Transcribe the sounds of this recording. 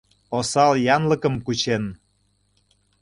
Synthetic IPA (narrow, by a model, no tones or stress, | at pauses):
osɑljɑnlə̆kə̆mkut͡ɕen